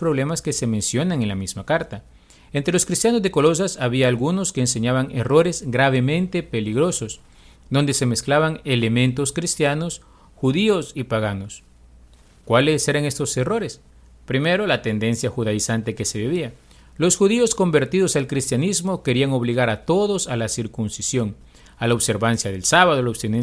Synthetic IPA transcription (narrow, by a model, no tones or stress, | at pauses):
pɾo̞βle̞maske̞se̞mẽ̞nsjo̞naŋe̞nlamizmakaɾt̪a | e̞nt̪ɾe̞lo̞skɾist̪jano̞zðe̞ko̞lo̞s̬asaβiaːlɣuno̞ske̞ːns̬e̞ɲaβaŋe̞ro̞ɾe̞zɡɾaβe̞mẽ̞nt̪e̞pe̞liɣɾo̞sos | d̪o̞nd̪e̞se̞me̞sklaβaŋe̞le̞mẽ̞nt̪oskɾist̪jano̞s | xuðio̞sipaɣ̞ano̞s | kwale̞se̞ɾaŋe̞st̪o̞se̞ro̞ɾes | pɾime̞ɾo̞lat̪e̞nd̪e̞nsjaxuðaisant̪eke̞se̞βeβia | lo̞sxuðio̞sko̞mbe̞ɾt̪iðosalkɾist̪janizmo̞ke̞ɾiaŋo̞βliɣaɾat̪o̞ðo̞salasiɾkunsisjo̞ŋ | alaoβse̞ɾβansjaðe̞lsaβaðolaoβst̪ine